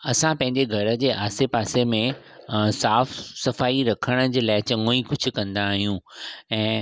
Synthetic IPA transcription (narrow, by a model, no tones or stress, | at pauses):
ɐsãpɐ̃ɦɪ̃ɲd͡ʑeɡʱɐɾə̆d͡ʑeːʔaːsepaːsemẽ | saːfsɐfaːiɾɐkʰəɽ̃ə̆d͡ʑeːlaːɪt͡ɕɐŋoikʊd͡ʑʱʊ̆kɐ̃nd̪aːɦijũɛ̃ː